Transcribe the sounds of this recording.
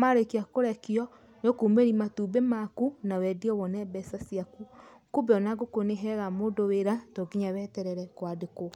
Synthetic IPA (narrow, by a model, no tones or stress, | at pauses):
maɾekiakoɾɛkiɔ | nokumeɾimatuːbemakunawɛdiɔwɔnɛbɛsasiaku | kubɛɔnaɡokoneɦɛɣamoːdoweɾatɔɡiɲawɛtɛɾɛɾɛkwadeko